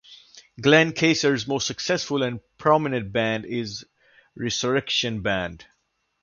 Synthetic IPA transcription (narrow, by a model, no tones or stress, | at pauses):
ɡlɛ̃nkʰeɪsəɹzmoːstsəksɛsfʊlæ̃npʰɹɔmɪnə̃nʈ̚bæ̃ndɪz | ɹɛsəɹɛkʃə̃nbæ̃nd